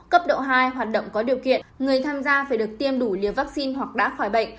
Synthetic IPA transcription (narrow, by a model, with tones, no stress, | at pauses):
kə˦˥p̚ɗo̰˧˨ɦaː˧jɦwaː˨˩t̚ɗə̰˧˨wŋ͡mkɔ˨˦ɗi˨˩əwkḭ˧˨ənŋɨ˨˩əjt̪ʰaː˧mzaː˧vaː˧˩jɗɨ˨˩ək̚t̪i˧əmɗu˧˩li˨˩əvaː˦˥k̚si˧nɦwa˨˩k̚ɗa̰ː˧˥xɔ˧˩jɓə̰˧˨ŋ̟